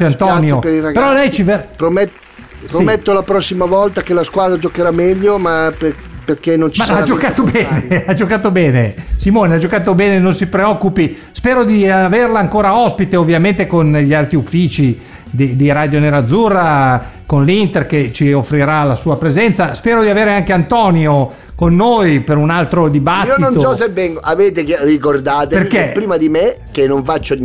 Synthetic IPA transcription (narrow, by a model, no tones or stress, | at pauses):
ant̪ɔnjopɾiapeɾɔlɛjt͡ʃivpɾome | psɾomɛt̪ːolapɾɔsːimavɔlt̪akelaskwaːd̪ɾad͡ʒokeɾamɛʎːomape | perkenont͡ʃimaad͡ʒokaːt̪obɛːnead͡ʒokaːt̪obɛːnesimoːnead͡ʒokaːt̪obɛːnenonsipɾeɔkːupi | spɛːɾod̪iaverlaːŋkoːɾaɔspit̪eovːjament̪ekonʎialt̪ɾiufːiːt͡ʃi | d̪id̪iɾaːd̪joneɾad̪zːurːakonlint̪erket͡ʃiofːɾiɾalasuːapɾezɛnt̪saspɛːɾod̪iaveːɾeaŋkeant̪ɔːnjo | konːoːjpeɾunalt̪ɾod̪ibat̪ioːiont̪osɔs̬evːɛŋɡoʔaveːt̪ekrikord̪aːt̪eperkːepɾiːmad̪imekenːoɱfat͡ʃːo